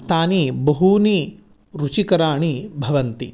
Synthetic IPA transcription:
t̪aːnibɐɦuni | ɾut͡ʃikɐɾaːɳibʱɐʋɐnt̪ḭ

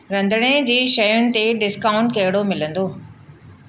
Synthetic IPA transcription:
ɾɐ̃nd̪ʱəɽ̃ed͡ʑiːʃɐjʊnɪ̆t̪eɖɪskaːʊ̃ɳʈkɐɦɪɽomɪlə̃nd̪oː

